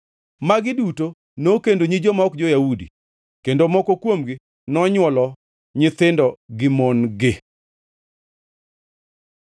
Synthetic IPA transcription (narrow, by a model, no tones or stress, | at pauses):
maɡɪduto | nokendoɲid͡ʒɔmaɔkd͡ʒɔjaudḭ | kendomɔkokwomɡɪ | nɔɲwɔlɔ | ɲɪt̪ɪndɔɡɪmonɡɪ